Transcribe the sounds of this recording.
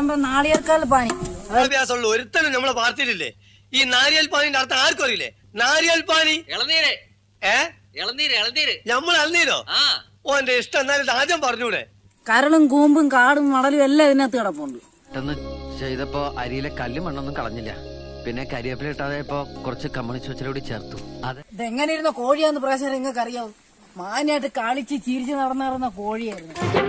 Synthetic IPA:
ɐmbɐnaːɭijɐrkaːɾilp̬aːɳiɐɐbʱjaːs̬ɐmuɭːuoɾut̪ːɐnumnɐmːɐɭepaːrt̪ijɾilːḛ | iːnaːɾijɐlpaːnindɐɽɐt̪ːaaːrkorɐjilːḛ | naːɾijɐlpaːniɛɭɐnːiːɾɨ | eː | ɛɭɐnːiːɾɭɐnd̪iːɾɨnɐmːɐɭɐlniːðo̞̰ːaː | oːendeiʂʈɐmenːaːlid̪aːd̪jɐmpɐrɐɲːuːɽḛ | kɐɾɐɭumkuːmbumkaːɽumʋɐɽɐluʋelːaɐðinet̪ːiɽɐp̬ːoːɳɖu | ʈːenːɨt͡ɕejt̪ɐpːoːʔɐɾijilekɐlːumɐɳːonːumkɐɭɐɲːilːɐ̰ | pinːe̞kɐɾijɐpːileiʈːaːðeipːo̞ːkurɐt͡ɕːɨkɐmːɐɳit͡ɕːuɐt͡ɕːɐlɐuɽit͡ɕe̞ːrt̪uɐðɐðeŋːɐnejiɾunːɐko̞ːɻijaːjenːuprɐeːɕ̬ɐɾeŋːɐkɐrijaːðu | maːnijaːjiʈːɨkaːɭit͡ɕːɨt͡ɕiːɾit͡ɕːɨnɐɽɐnːaːiɾnːɐko̞ːɻijaːjiɾunːu

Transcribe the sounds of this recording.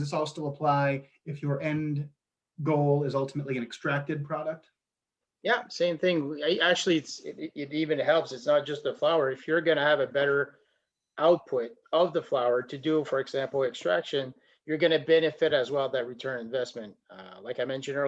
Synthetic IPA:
ðɪsɔlˠstɪlˠəpʰl̥aɪ | ɨfjə˞ɛ̃nd | ɡoʊlˠɪzʌlˠtʰəməʔˡliɨ̃nɨkstɹ̥æk̚tɨd̚pʰɹ̥ɑɾək̚t̚ | jæsẽɪ̃mθɪ̃ŋæk̚t͡ʃʉl̩ˠiɨtsɪɪɾivɨ̃nɦɛlˠpsɨtsnət̚d̥ʒ̥ʌstəflaʊə˞ɨfjə˞ɡʌñɨːvɨbɛɾə˞ | ʔaʊt̚pʰʊɾʌvðəflaʊə˞ɾɨdəfə˞ɨɡzæ̃mpl̩ˠɨkstɹ̥æ̰kʃɨ̃n | jə˞ɡʌñɨbɛñɨfɪɾɨzwɛlˠðɨt̚ɹitʰɜ̃˞nɨ̃ɱvɛsmɨ̃nt̚laɪkaɪmɛ̃nʃɨ̃nə˞

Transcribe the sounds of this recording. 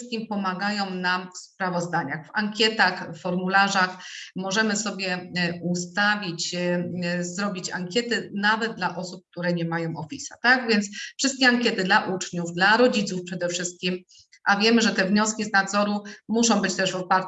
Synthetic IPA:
st̪kʲimpɔmaɡajɔ̃w̃namfspɾavɔzd̪aɲaxfaŋkʲjɛt̪axfɔɾmulaʐaxmɔʐɛmɘsɔbʲjɛust̪avʲit͡ɕ | zɾɔbʲit͡ɕaŋkʲɛt̪ɘnavɛd̪̚d̪laʔɔsup̚k̚t̪uɾɛɲɛmajɔ̃w̃ɔfʲisa̰t̪aɡvʲjɛnt̪sfʂɘst̪̚kʲɛaŋkʲjɛt̪ɘd̪laʔut͡ʂɲuvd̪laɾɔd͡ʑit̪sufpʂɛd̪ɛfʂɘst̪̚kʲim | ʔavʲjɛmɘʐɛt̪ɛvɲɔskʲiznad̪zɔɾumuʂɔ̃w̃bɘt͡ɕt̪ɛʐvɔpaɾ

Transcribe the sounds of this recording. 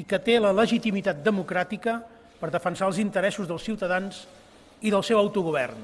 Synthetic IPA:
ikət̪elələʒit̪imit̪at̪̚d̪əmukɾat̪ikə | pəɾðəfənsalˠzint̪əɾɛsuzðəlˠsiwt̪əðanz | iðəlˠsɛwəwt̪uɣuβɛ̰rn

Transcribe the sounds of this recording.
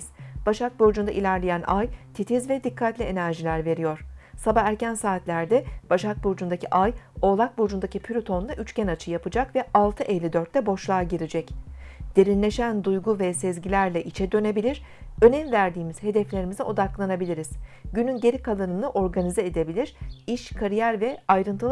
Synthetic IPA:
z̥b̥aʃak̚boɾd͡ʒund̪aʔilʲæɾlʲejænʔajt̪ʰit̪ʰizvɛd̪ikʰːat̪lʲie̞næɾʒilʲæɾve̞ɾijo̞ɾ̥sabaæɾcænsaːt̪lʲæɾd̪ɛb̥aʃak̚boɾd͡ʒund̪aciʔajo̞ːlˠak̚boɾd͡ʒund̪acipʰylʲut̪ʰo̞nlˠaʔyt͡ʃcɛnat͡ʃʰɯjapɯd͡ʒakvɛalˠt̪ʰɯʔɛlʲid̪øɾt̪lʲɛbo̞ʃlˠaːɟiɾid͡ʒɛcd̪̥e̞ɾinlʲe̞ʃænd̪ujɡuvɛsɛzɟilʲæɾlʲɛʔit͡ʃʰɛd̪ø̞ne̞bilʲiɾ̥ | ø̞nɛmvæɾd̪iːmiz̥he̞d̪ɛflʲe̞ɾimiziʔo̞d̪aklˠanabilʲiɾiz̥ɟynynɟe̞ɾikʰalˠɯnɯnˠɯʔo̞ɾɡanizɛed̪e̞bilʲiɾ̥iʃkʰaɾijæɾvɛajɾɯnt̪ʰɯl

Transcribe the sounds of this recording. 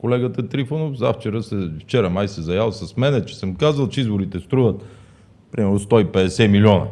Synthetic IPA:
kolɛɡət̪ət̪ɾifonofza̰ft͡ʃɛɾəsɛft͡ʃɛɾəmajsɛzɐjalˠsɐsmɛnɛt͡ʃɛ̥səmkazəlˠt͡ʃɛizboɾit̪ɛst̪ɾuvət̪ | pɾimɛɾnost̪ɔipɛd̪ɛsɛmilʲiɔnə̰

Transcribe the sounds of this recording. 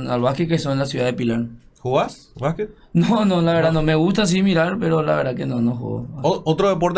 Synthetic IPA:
nalβahkekesonlas̬juðaðepilaɾ | xuɣas | βahke | nonolaβeɾðanomeɣust̪as̬imiɾaɾpeɾola̰βeɾðakenonoxṵɣo̰ot̪ɾoðep̬oɾt̪

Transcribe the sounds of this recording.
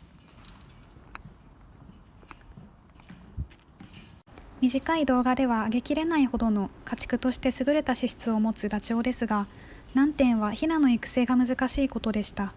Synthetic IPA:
mʲiʑikaid̪o̞ːɡad̪e̞β̞aːɡe̞kʲiɾe̞naiho̞d̪o̞no̞kat͡ɕi̥kɯ̟t̪o̞ɕi̥t̪e̞sɨɡɯ̟ɾe̞t̪aɕiɕi̥t͡sɨo̞mo̞t͡sɨd̪at͡ɕio̞ːd̪e̞sɨɡa | nãnt̪ẽ̞ɰ̃βaçinano̞ikɯ̟̥se̞ːɡamɯ̟zɨkaɕiːko̞t̪o̞d̪e̞ɕi̥t̪a

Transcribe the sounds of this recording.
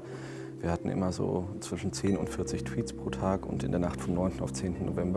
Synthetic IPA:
viːɐhatn̩ʔɪ̰mɐzo̰ːt͡sv̥ɪʃn̩t͡seːnʊ̰ntfɪɐt͡sɪçtʰw̥iːtspʁ̥oːtʰaːkʊ̰ntɪ̰ndeːɐnaχtfɔmnɔʏntn̩aʊt͡seːntn̩nːovɛmbɐ

